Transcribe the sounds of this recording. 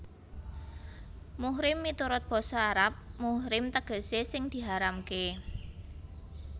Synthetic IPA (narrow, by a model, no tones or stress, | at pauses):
muhɾɪmːit̪uɾʊt̪̚b̥ɔ̤sɔaɾap̚muhɾɪmt̪əɡ̥ə̤sesɪŋd̪̥i̤ɦaɾamke